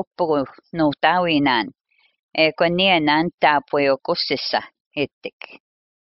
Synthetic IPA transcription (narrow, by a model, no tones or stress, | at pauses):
pʊkʊnuːt̪aːwiːnaːn | eːkʷanianaːnt̪aːpweokʊsɪsa | ɪt̪ɪ̥k